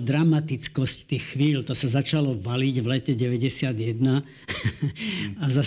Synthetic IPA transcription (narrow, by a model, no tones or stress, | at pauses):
d̪ɾamat̪it͡skɔsct̪iːxxʋiːlt̪ɔsazat͡ʃalɔʋaliɟʋlɛcɛɟɛʋɛɟɛsɪad̪jɛd̪na | aza